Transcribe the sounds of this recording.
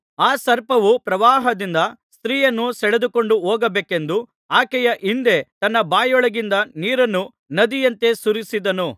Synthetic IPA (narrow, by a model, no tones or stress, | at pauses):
aːsɐɾpɐʋupɾɐʋaːɦɐd̪ind̪ɐst̪ɾiːjɐnːusɛɭed̪uko̞ɳɖuɦoːɡɐbeːke̞nd̪u | aːkɛjɐʔind̪e̞t̪ɐnːɐbaːjɔɭɐɡind̪ɐniːɾɐnːu | nɐd̪ijɐnt̪e̞suɾisid̪ɐnu